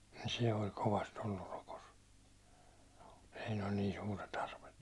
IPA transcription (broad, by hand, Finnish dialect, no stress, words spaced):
nin̞ se olʲ koʋɑst olːur rokos siːn olʲ niːn suːret ɑrʋet